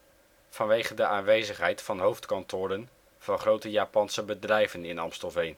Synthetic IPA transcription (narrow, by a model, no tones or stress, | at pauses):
v̥ɑnʋejχəndəʔaːnʋejzəχɦɛjtfɑnɦowftkɑntʊːɾən | v̥ɑnχrowtəjaːpɑnsəbədrɛjvənɪnɑmstɔvejn